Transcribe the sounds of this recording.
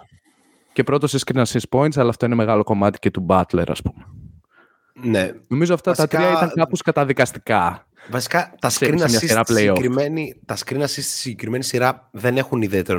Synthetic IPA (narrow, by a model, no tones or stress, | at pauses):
ce̞pɾo̞t̪o̞siskɾinɐsispo̞int̪sɐlɐːft̪o̞ineme̞ɣɐlo̞ko̞mɐt̪i̥cet̪ubɐt̪leɾʔɐ̰spume | neno̞mizoɐft̪ɐst̪ɐt̪ɾiɐit̪ɐŋkɐposkɐt̪ɐðikɐst̪i̥kɐ | vɐsi̥kɐt̪ɐseemɲɐssiɾɐpleioimenit̪ɐskɾinɐsist̪i̥siɲɟekɾime̞nisiɾɐðene̞xuniðiet̪eɾo